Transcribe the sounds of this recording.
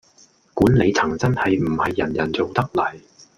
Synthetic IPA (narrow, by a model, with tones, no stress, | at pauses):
kuː˨˥nle˨˧jt͡sʰɐ˨˩ŋt͡sɐ˥nhɐ˨jm̩˨˩hɐ˨jːɐ˨˩njɐ˨˩nt͡so˨wt̪ɐ˥k̚lɐ˨˩j